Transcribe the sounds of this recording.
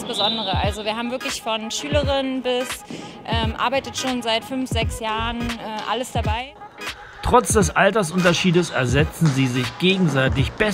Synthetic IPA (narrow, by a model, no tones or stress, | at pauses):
sb̥əzɔndəʁ̞əʔalzoviːɐɦaːbmvɪɐklɪçfɔnʃyːləʁɪnənbɪsʔɛːmʔa̰ɐbaɪtətʃoːnzaɪtfʏnfz̥ɛksjaːʁənʔɛːʔa̰ləsd̥abaɪ | tʁ̥ɔt͡sd̥ɛsʔaltɐsʔʊntɐʃiːdəsɛɐzɛt͡sn̩ziːzɪçɡ̥eːɡŋ̩zaɪtɪçb̥ɛ